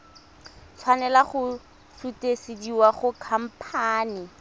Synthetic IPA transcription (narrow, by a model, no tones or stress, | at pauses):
t͡sʰwanɛlaχʊ | sutesediwaχʊkʰam̩pʰaːni